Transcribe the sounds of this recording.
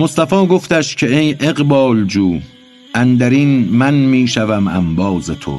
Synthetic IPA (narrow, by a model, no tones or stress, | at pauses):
most̪æfɒːɡo̞ft̪æʃcʲʰe̞ejʔeɣbɒːld͡ʒuː | ʔænd̪æɾiːnmænmiːʃævæmæ̰mbɒːzet̪ʰo̰